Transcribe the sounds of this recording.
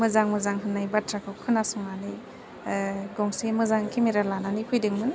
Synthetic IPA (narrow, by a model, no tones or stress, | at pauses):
mɯzaŋmɯzaŋɦɯnːajbatʰɾakʰɯwkʰɯnasɔŋani | ɡɔŋsemɯzaŋkʰimiɾalananipʰɯjdɯŋmɯn